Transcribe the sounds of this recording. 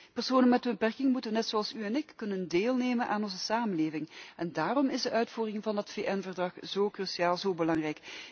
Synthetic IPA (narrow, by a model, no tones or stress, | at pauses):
pərsoːnənmɛdəbəpɛrkɪŋmutəʋənɛtsoɑlˠsyɛnɪkːɵnəndeːlˠneːmənʔaːnɔnzəsaːmənleːvɪŋɛndaːrɔmɪzdəʔœɥtfuːrɪŋvɑndɑtfeːʔɛnvərdrɑxz̥oːkrysiaːlˠzoːbəlɑŋrɛjk